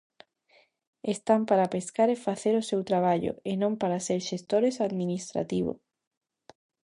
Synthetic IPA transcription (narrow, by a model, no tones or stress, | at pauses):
est̪ampaɾapeskaɾefaθeɾosewt̪ɾaβ̞aʎo̰enõmpaɾaseɾʃest̪oɾesaðmĩnist̪ɾa̰t̪iβ̞o̰